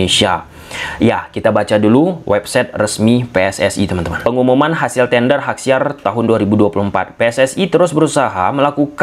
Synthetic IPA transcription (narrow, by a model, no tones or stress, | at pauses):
esia | jakit̪abat͡ʃaduluwʔɛp̚sɛt̪̚rəsmipeɛsɛsḭt̪əmant̪əmanpəŋumumanɦasɪlt̪ɛndərɦak̚siart̪aɦʊnduaɾibuduapulumpa̰t̪̚peɛsɛsit̪əɾʊsbəɾusaɦa̰məlakuk